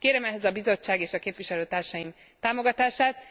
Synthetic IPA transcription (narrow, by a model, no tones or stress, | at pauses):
keːɾɛmɛɦɛzɒbizo̞t͡ʃːaːɡeːʃɒkeːpʋiʃɛløːt̪aːrʃɒjim | t̪aːmo̞ɡɒt̪aːʃaːt̪